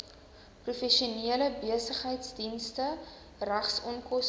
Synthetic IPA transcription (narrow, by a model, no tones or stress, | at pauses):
prufɛʃiuniələbiəsəχɦəjtsdinstə | ræχsɔnkɔs